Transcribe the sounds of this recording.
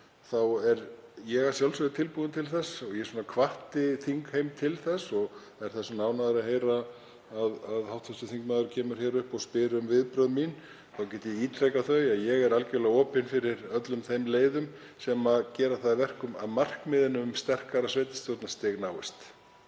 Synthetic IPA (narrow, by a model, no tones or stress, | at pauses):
θawɛɾjɛɣḁsjawlsʏɪt̪ʰɪlpuðʏnt̪ʰɪlθɛsɔɣjɛsuːnakʰvaht̪ɪθiŋkhejmt̪ʰɪlθɛsːɔɣ | ɛɾ̥θɛsːʏnaːwnaðaɾaðɦeːjɾaː | ðaðhawht̪fɛsʏθiŋkmaːðʏɾcʰɛːmʏɾ̥çjɛːɾʏhpɔɣspɪːɾʏmvɪðpɾœðmin | θawcɛːt̪ɪiːt̪ʰɾejkaθœɥaðjɛɣɛɾalcɪvɛlaɔːpɪnfɪɾɪɾœt̪lʏmθejmleːjðʏm | sɛmaðcɛːɾaθaðvɛr̥kʏma̰ðmar̥kmɪðɪnʏst̪ɛr̥kaɾasvejt̪ɪ̥st̪jɔwt̪nast̪ɪɣnaːwɪst̪